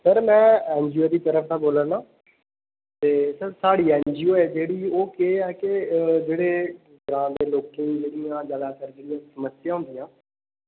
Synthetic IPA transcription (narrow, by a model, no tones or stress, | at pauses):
səɾmɛ̃ːɛ̃ːnd͡ʒioːd̪iːt̪əɾəfʰt̪ãboːlənãː | t̪eːsəɾsaːɽiːɛ̃ːnd͡ʒioɛd͡ʒeːɽiːoːkeɛked͡ʒeːɽeː | ɡɾãːd̪eːloːkẽid͡ʒeːɽijãːd͡ʒalaːkəɾd͡ʒeːɽijãːsəməsɪjaːɦʊ̃nd̪iãː